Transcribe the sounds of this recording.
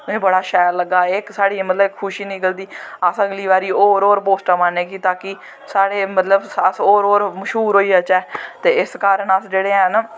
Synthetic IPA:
ʊẽːbəɽaːʃɛːɾləɡːaːɪksaːɽiːmət̪ləbkʰːʊʃiːnĩːɡəld̪iːasəɡliːbaːɾiːoːɾoːɾpoːsʈaːmaneːkiːt̪aːkiː | saːɽeːmət̪ləbəsoːɾoːɾməʃɦuːɾɦoːiːət͡ʃɛːt̪eːɪskaːɾənəsd͡ʒeːɽeːən

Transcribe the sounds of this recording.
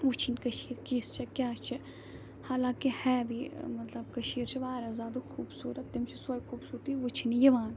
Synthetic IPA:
ut͡ʃʰinʲkɐʃiːɾkiːst͡ʃʰɐkʲjaːt͡ʃʰe | haːlãːkihɛːbimɐt̪lɐb̚kɐʃiːɾt͡ʃʰiʋaːɾazaːd̪uxʰuːbsuːɾɐt̪ːɪmt͡ʃʰisoːjkʰuːbsuːɾt̪iʋut͡ʃʰinijɐʋaːn

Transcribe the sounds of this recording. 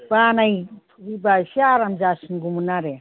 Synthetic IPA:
banajʰ | ibasiaɾamd͡ʒasinɡumunaɾe

